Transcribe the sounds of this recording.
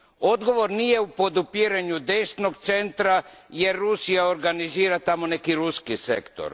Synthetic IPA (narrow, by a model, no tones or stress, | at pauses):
o̞d̪ɡo̞ʋo̞ɾnije̞upo̞d̪upiɾeɲud̪eʃt̪no̞ɡt̪se̞nt̪ɾaje̞ɾːusijao̞ɾɡaniziːɾat̪amo̞ne̞kiɾuskisḛkt̪o̰ɾ